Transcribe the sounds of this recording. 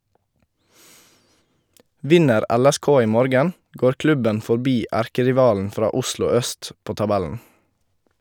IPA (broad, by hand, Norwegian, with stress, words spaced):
ˈʋɪnəɾ ˈɛlɛˌskoː ˈiː ˈmoːɾɡən ˈɡoːɾ ˈklʉbən fɔɾˈbiː ˈæɾkəɾɪˌʋɑːln̩ ˈfɾɑː ˈʊslʊ ˈœst ˈpoː tɑˈbɛln̩